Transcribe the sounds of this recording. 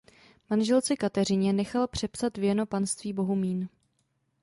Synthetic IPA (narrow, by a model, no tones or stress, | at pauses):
manʒɛlt͡sɛkat̪ɛrɪɲɛnɛxalpr̝̥ɛpsat̪vjɛno̞panst̪viːbo̞ɦumiːn